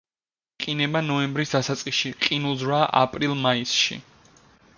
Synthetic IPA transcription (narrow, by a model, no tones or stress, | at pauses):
qʼinɛbanɔɛmbɾisd̪asat̪sʼqʼiʃiqʼinulˠzɾwaʔa̰pʼɾilˠmaisʃḭ